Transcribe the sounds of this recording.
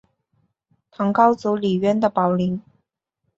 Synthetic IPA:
t̪ʰɑ˧˥ŋkɑ˥ʊt͡su˧˥li˨˩ɥɛ˥˩nd̪ə˨pɑ˨˩ʊli˧˥ŋ

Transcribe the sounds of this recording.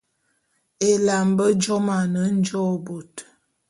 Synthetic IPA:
e˨la˨mbə˦d͡ʒɔ˦ma˨nə˨˦n̩˦d͡ʒɔ˦˨bo˨t

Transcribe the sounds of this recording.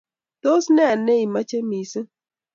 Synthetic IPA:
t̪o˦snɛ˦a˨ne˦i˨ma˦t͡ʃe˦mi˨s

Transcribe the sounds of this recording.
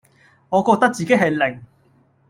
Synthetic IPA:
ŋɔː˨˧kɔː˧k̚t̪ɐ˥k̚t͡siː˨ke˦˥ɦɐ˨jlɪ˨˩ŋ

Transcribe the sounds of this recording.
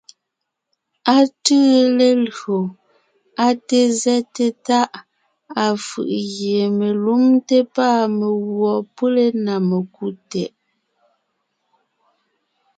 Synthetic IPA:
a˦tɨ˦le˦lɰo˨ | a˦te˦zɛ˦te˦ta˦ʔ | a˨fɯ̰˨ʔɣje˨me˨lu˦mte˦paː˦˨me˨ɣwɔ˨pə˦le˦na˨me˨ku˦tɛ˨ʔ

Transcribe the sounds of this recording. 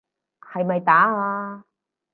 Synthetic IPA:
hɐ˨jmɐ˨jt̪aː˨˥aː˧

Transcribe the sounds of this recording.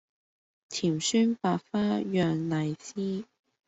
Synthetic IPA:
t̪ʰiː˨˩msyː˥npaː˧kfaː˥jœː˧ŋnɐ˨˩jsiː˥

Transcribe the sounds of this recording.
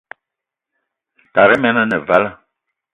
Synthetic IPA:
ta˨ɾɛ˦mɛ˦na˦nɛ˨va˦la˦˨

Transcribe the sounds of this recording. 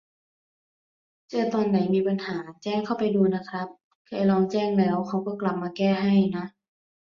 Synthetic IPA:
t͡ɕɤː˧˩t̪ɔː˧nːa˨˩˦jmiː˧pa˧nhaː˩˦t͡ɕɛː˥˩ŋkʰa˥˩wpa˨jduː˧na˦˧˥kʰɾa˦˥p̚ | kʰaː˧˩˦jlɔː˧ŋt͡ɕɛː˥˩ŋlɛː˦˥wkʰa˧˥wkɔː˧˩kla˨˩p̚maː˧kɛː˧˩ɦa˧˥˩jna˦˥ʔ

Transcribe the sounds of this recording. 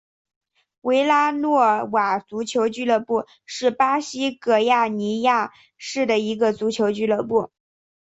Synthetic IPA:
we˧˥ɪla˥nwɔ˥˩wa˨˩t͡su˧˥t͡ɕʰjo˧˥ʊt͡ɕy˥˧lɤ˥˧pu˥˧ | ʂɻ̩˥˩pa˥ɕi˥kɤ˥˩ja˥˩ni˧˥ja˥˧ | ʂɻ̩˥˩d̪ə˩i˧˥ɡə˧t͡su˧˥t͡ɕʰjo˧˥ʊt͡ɕy˥˧lɤ˥˧pu˥˩

